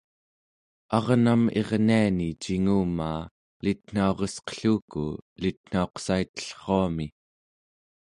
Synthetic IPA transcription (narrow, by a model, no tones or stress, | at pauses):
ɑʁname̞ʁnianit͡ʃiŋuːmaː | lit̪̚n̥aoʁesqə̥ɬuːkṵlit̪n̥ao̞qsait̪ə̥ɬχoami